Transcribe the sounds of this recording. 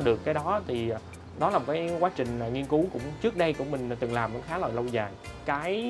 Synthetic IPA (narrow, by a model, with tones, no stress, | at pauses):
ɗɨ˨˩əkːaː˨˦jɗɔ˨˦t̪ʰi˨˩ | ɗɔ˨˦laː˨˩mo˨˩kaː˨˦jkwaː˨˦˥t͡ɕï˨˩ŋ̟ː˨˩ŋi˧ənku˨˦kʊ̰˧˥ŋ͡mt͡ɕɨ˦˥ək̚ɗə˧jkʊ̰˧˥ŋ͡mmï˨˩ŋ̟˨˩t̪ɨ˨˩ŋlaː˨˩mɔ̰˧˥xaː˨˦la̰˧˨jlə˧wzaː˨˩jkaː˨˦j